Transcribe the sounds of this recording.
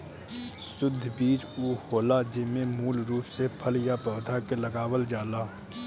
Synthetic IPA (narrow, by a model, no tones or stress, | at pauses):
sʊd̪ʱːbiːt͡ʃuːhoːlad͡ʒɪmẽmuːlɾuːpsepʰəljapɔːd̪ʱakeləɡaːwəld͡ʒaːlaː